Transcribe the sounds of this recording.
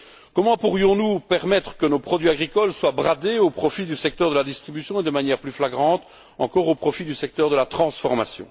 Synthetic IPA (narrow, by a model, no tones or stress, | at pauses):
kɔmɑ̃puʁjɔ̃nupɛʁmɛt̪χə̥kənopχɔd̪ɥiaɡʁikɔlswabʁad̪eopχɔfid̪ysɛk̚t̪œʁd̪əlad̪ist̪χibysjɔ̃ed̪əmanjɛːʁplyflaɡʁɑ̃ːt̪ | ɑ̰̃kɔʁopχɔfid̪ysɛk̚t̪œʁd̪əlat̪χɑ̃sfɔʁma̰sjɔ̰̃